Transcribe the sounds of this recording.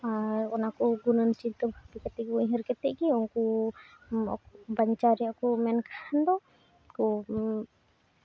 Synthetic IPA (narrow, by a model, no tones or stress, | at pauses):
aɾɔnakɔɡunənt͡ʃit̪əbʱapikɛt̪ɛkɔjɦəɾkɛt̪ɛʔɡiɔŋkɔ | ɔ̰kbaɲt͡ʃaɾɛjaʔkɔmɛnkahand̪ɔ | kɔ